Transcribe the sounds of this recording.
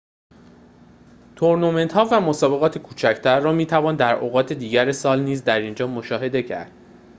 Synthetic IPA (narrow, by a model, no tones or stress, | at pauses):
t̪ʰoɾnume̞nt̪hɒːvæmo̞sɒːbe̞ɣɒːt̪ʰe̞kʰuːt͡ʃʰæcʰt̪ʰæɾːɒːmiːt̪ʰævɒːnd̪æɾoɣɒːt̪ʰe̞d̪iːɟæɾesɒːlniːzd̪æɾind͡ʒɒːmo̞ʃɒːɦe̞d̪e̞cʰæ̰ɾd̪̥